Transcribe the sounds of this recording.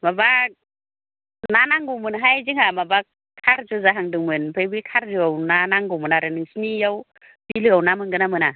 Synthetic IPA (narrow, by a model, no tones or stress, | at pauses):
maba | nanaŋɡumɯnɦajd͡ʒiŋamaba | kʰaɾd͡ʒuzaɦaŋdɯŋmɯnpʰəjbikʰaɾd͡ʒuawnanaŋɡumɯnaɾɯnɯŋsinijaw | bilɯawnamɯnɡɯnamɯna